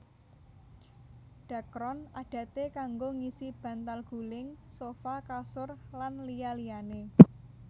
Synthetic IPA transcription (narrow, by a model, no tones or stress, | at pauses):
ɖ̥ä̤kɾɔnaɖ̥ä̤t̪ekaŋɡoŋisib̥a̤nt̪alɡ̥ṳlɪŋsofakasʊrlanlijalijane